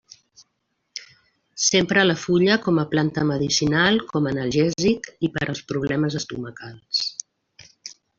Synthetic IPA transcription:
sempɾəːləfuʎəkɔməplant̪əməðisinalˠkɔmənəlˠʒɛzikipəɾʔəlˠspɾuβ̞lɛməzəst̪uməkalˠs

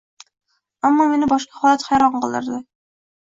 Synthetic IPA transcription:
amːɒme̞nɪbɒʃqɑ̥hɒlˠat̪hæjɾɒɴqʰɨlˠd̪ɪ̰ɾd̪ɪ

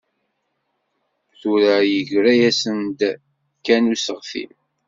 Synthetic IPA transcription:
θuɾajəʝɾæjæsənd̪ | kːænusəʁθḭm

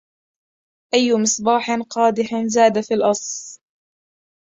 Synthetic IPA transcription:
ʔajːʊmɪsˤbɑːħnqɑːd̪ɪhnzaːd̪afiːlʔɑsˤl

